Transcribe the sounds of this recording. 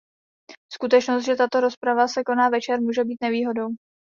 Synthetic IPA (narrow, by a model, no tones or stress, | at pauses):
skut̪ɛt͡ʃnost̪ʒɛt̪at̪o̞ɾo̞spɾavasɛko̞naːvɛt͡ʃɛɾmuːʒɛbiːt̪nɛviːɦo̞do̞w